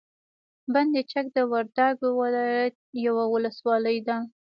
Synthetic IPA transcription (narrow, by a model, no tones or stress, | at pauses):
band̪et͡ʃak̚d̪əwaɾd̪aɡowalɑjat̪̚jawawʊləswɑləjd̪a